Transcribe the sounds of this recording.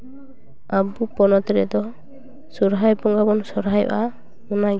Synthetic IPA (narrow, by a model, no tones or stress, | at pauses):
abupɔnɔt̪ɾɛ̰d̪ɔ | sɔɾɦajpɔŋɡabɔnsɔɾɦajɔ̰ʔa | mɔnaɡ